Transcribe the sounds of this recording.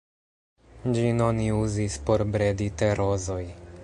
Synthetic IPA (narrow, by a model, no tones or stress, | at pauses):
d͡ʒino̞niuzispo̞ɾbɾe̞diteɾo̞zo̞j